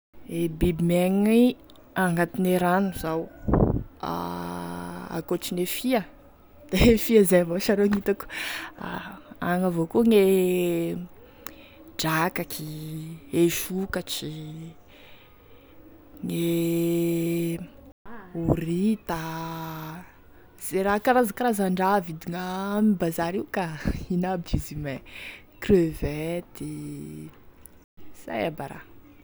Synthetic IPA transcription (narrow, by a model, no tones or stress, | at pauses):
ebibimeŋi | aŋɡat̪ineɾanuzaw | a̰ | a̰kot͡ʃinefiə | d̪̥efiəzajvoʃaɾoŋit̪aku̥aaŋavokuŋe | d͡ʒakakʰi | eʃukat͡ʃi | ŋe | urit̪a | z̥eɾakaɾazakaɾazaɳɖ͡ʐavid̪iŋamibazaɾiwkainabizimɛ | krøvɛt̪i | z̥a̰jabaɾa̰